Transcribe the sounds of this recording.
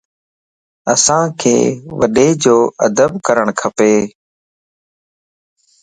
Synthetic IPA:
əsãːkʰḛːʋəɗeːd͡ʒoːəd̪əbkəɾəɳkʰəpeː

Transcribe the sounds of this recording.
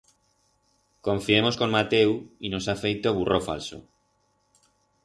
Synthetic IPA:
ko̞ɱfie̞mo̞sko̞nmat̪e̞wino̞safe̞jt̪o̞βurʔo̞fa̰lso̰

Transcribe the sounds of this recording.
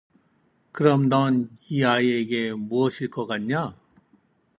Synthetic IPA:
kɯɾʌmdʌniaieɡemuʌɕʰiɭk͈ʌkanɲa

